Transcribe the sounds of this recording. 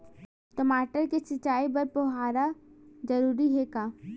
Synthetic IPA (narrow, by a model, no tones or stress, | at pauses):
ʈomaːʈəɾkesɐt͡ʃaːibɐɾpoɦaːɾad͡ʒɐɾuːɾiɦekaː